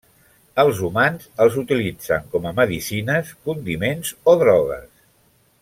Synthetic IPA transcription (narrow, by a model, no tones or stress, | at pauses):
əlˠzumanzəlˠzut̪ilid͡zə̰ŋkɔməməðisinəskund̪imenzoðɾɔɣə̰s